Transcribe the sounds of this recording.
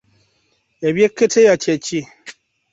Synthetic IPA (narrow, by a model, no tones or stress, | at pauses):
jabjekːetʰejat͡ʃjɛt͡ʃi